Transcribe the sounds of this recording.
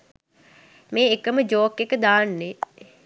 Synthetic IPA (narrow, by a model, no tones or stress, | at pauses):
meːekəməd͡ʒoːkːekəd̪aːnːe